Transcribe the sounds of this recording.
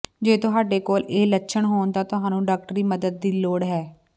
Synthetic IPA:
d͡ʒeːt̪ʊɦaːɖeːkoːleːlətːʃʰəɳɦoːnd̪aːt̪ʊɦãːnũːɖaːk̚ʈɾiːməd̪əd̪̚ːiːloːɽɦɛː

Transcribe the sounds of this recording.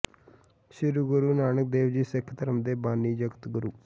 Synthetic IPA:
ʃɪɾuɡʊɾuːnaːnək̚d̪eːʋd͡ʒiːsekʰt̪əɾəmd̪eːbaːniːd͡ʒəɡt̪ɡʊɾuː

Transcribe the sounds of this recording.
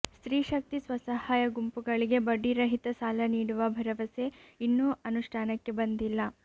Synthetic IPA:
st̪ɾiːʃɐk̚t̪isʋɐsɐhaːjɐɡumpuɡɐɭiɡe̞bɐɖːiɾɐɦit̪ɐsaːlɐniːɽuʋɐbʱɐɾɐʋɐse̞inːuːɐnuʂʈʰaːnɐkːe̞bɐnd̪ilːɐ

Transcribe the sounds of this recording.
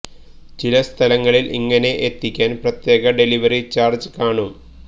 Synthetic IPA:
t͡ɕilɐst̪ʰɐlɐŋːɐɭilʔḭŋːɐne̞ʔet̪ːikʲːaːnprɐt̪je̞ːɣɐɖe̞liʋɐrit͡ɕaːrd͡ʑɨkaːɳu

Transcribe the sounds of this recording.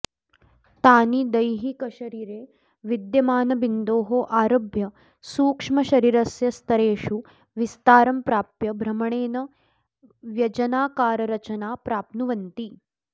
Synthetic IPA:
t̪aːnid̪ɐjɦikɐʃɐɾiːɾeː | ʋid̪jɐmaːnɐbind̪oːɦoːʔaːɾoːbʱjɐ | suːkʂmɐʃɐɾiːɾɐsjɐst̪ʰɐɾeːʃu | ʋist̪aːɾɐmpɾaːpjɐbʱɾɐmɐɳeːnɐ | ʋjɐd͡ʒɐnaːkaːɾɐɾɐt͡ʃɐnaːpɾaːp̚nuʋɐnt̪i

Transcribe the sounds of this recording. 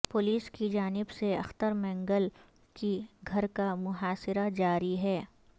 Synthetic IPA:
pʊliːskid͡ʒaːnɪbseɐ̰xt̪əɾmɛ̃ːŋɡəl | kiɡʱɐɾkamʊɦaːsɪɾad͡ʒaːɾiɦɛː

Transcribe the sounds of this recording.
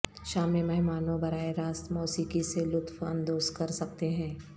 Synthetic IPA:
ʃaːmemɐɦmaːnõbɐɾaːeɾaːst̪mɔːsiːkiselʊt̪wɐ̃nd̪oːzkɐɾsɐk̚t̪eɦɛ̃ː

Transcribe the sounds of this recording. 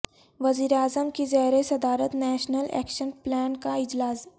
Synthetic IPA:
ʋɐziːɾeaːzəmkizɛɦɾesɐd̪aːɾət̪nɛːʃnəlʔɛ̰ːkʃənplɛːnkaɪd͡ʒlaːz

